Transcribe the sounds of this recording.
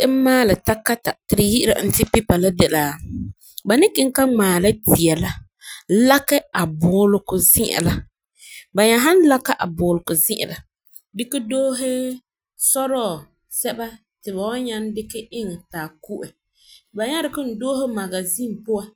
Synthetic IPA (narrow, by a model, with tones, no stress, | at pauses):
ʔɪ˦maː˦lɪ˨ta˦ka˦ta˨tɪ˨ɾɪ˨ji˦ɪ˦ɾa̰˨n̩˨tɪ˦pi˦pa˨la˦dɛ˨laː˨ | ba˨nɪ˦kɪ˦ŋ˦ka˦ŋ͡maː˨la˦ti˨ɛ˨la˦ | la˦kɛ˦a˨bʊː˨˦lʊ˨kʊ˨zɪ˦ʔɪ̰˨la˦ | ba˨ɲa˦ɦa˦n˦la˦ka˦ʔa˨bʊː˨lʊ˨kʊ˨zɪ˦ʔɪ̰˨la˨ | dɪ˦kɪ˦doː˦ɦɛ˦ | sɔ˦ɾɔː˦˨ | sɛ˦ba˦ | tɪ˨ba˨wa˦ɲa˦n˦dɪ˦kɪ˦ʔɪ˦ŋɛ˨taː˨ku˦ʔɛ˨ | ba˨ɲa˦ɾɪ˨kʊ˦n̩˨doː˦ɦɪ˦ma˨ɡa˨zi˦m˨pʊ˦a˨